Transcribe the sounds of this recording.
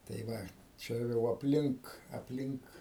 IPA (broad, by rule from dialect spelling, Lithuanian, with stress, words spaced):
tɐɪ ˈʋɐ ˈt͡ʃʲɛ jɛʊ ɐpʲˈlʲɪŋk ɐpʲˈlʲɪŋk